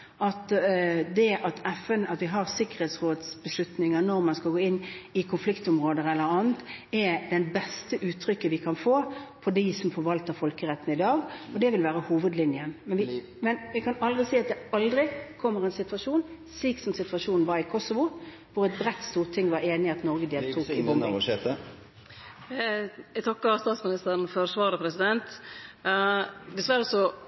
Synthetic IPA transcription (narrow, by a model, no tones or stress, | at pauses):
ʔɑt̪d̪ɛʔɑt̪ʰɛfɛnɑt̪ʋɪɦɑʁsɪkːəʁhɛːt̪sʁoːd̪sbəslʉt̪nɪŋənɔɾmɑnskɑɡoːɪnːɪkʰʊnflɪkt̪ʊmʁoːd̪əʁɛlːəɾɑːnt̪ɛd̪ɛnbɛst̪əʔʉːt̪ʰːɾʏkːəʋɪkʰɑnfoːpʰɔd̪ɪsɔmfɔʋɑlt̪əʁfɔlkəʁɛt̪ːn̩ɪd̪ɑːɡɔd̪ɛʋɪlʋæːɾəhuːʋəd̪lɪnjənmɛnʋɪ | mɛnʋɪkʰɑnɑld̪ʁɪsiːɑt̪̚d̪ɛɑld̪ʁɪkʰɔmːəʁɛnsɪt̪ʋɑʂuːnsliːksɔmsɪt̪ʋɑʂuːnn̩ʋɑɾɪkʰɔsɔʋʊ | ʋʊɾɛt̪̚bɾɛt̪ːst̪uːʁt̪ʰɪŋːʋɑɾeːnɪɑt̪nɔʁɡəd̪eːlt̪ʰuːkɪɔmet̪ə | ɛt̪ʰɔkːɑst̪ɑːt̪smɪnɪst̪əɾn̩fɔɾsʋɑːɾəpʰɾɛsɪd̪ɛnt̪ | d̪ɛsʋæɾːəsɔ